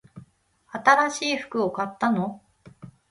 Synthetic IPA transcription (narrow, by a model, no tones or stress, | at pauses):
at̪aɾaɕiːɸɯ̟̥kɯ̟okat̪ːano̞